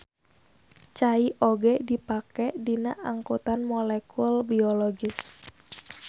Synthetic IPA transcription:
t͡ʃaiʔoɡɛdipakɛdinaʔaŋkut̪anmɔlɛkulbiɔlɔɡɪs

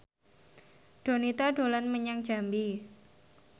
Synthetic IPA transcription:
ɖ̥o̤nit̪aɖo̤lanməɲaŋd̥d͡ʒ̥a̤mbi

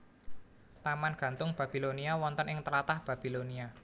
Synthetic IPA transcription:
t̪amanɡ̥ä̤nt̪ʊŋb̥a̤b̥iloniawɔnt̪ənɪŋt̪əɾat̪ahb̥a̤b̥ilonia

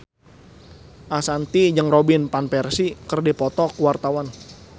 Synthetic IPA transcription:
ʔasant̪id͡ʒəŋrobinpanpɛrsikərdipɔt̪ɔkwart̪awan

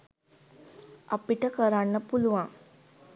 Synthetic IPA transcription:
a̰piʈəkəɾaɳːəpuluʋaŋ

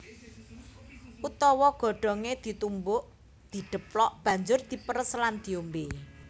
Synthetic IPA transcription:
ʔut̪ɔwɔɡ̥ɔ̤ɖ̥ɔ̤ŋed̪̥i̤t̪umbʊʔ | d̪̥i̤ɖ̪̥ə̤plɔʔb̥ä̤ɲd͡ʒʊrd̪̥i̤pəɾəsland̪̥i̤ombe

